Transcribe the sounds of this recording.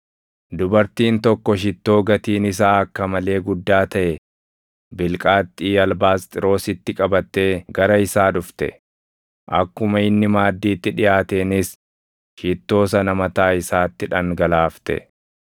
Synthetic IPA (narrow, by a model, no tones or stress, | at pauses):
d̪ʊbɐɾt̪iːnt̪ɔkːɔʃɪt̪ːo̞ːɡɐt̪iːnɪs̬aːɐkːɐmɐle̞ːɡʊd̪ːaːt̪ɐʔɛ | bɪlkʼaːt̪ʼːiːɐlbaːst̪ʼɪɾo̞ːsɪt̪ːɪkʼɐbɐt̪ːe̞ːɡɐɾɐɪsaːᶑʊft̪ɛ̰ | ʔɐkːʊmɐɪnːɪmaːd̪ːiːt̪ːɪᶑɪjaːt̪eːnɪs | ʃɪt̪ːo̞ːs̬ɐnɐmɐt̪aːɪsaːt̪ːɪᶑɐŋɡɐlaːft̪ɛ̰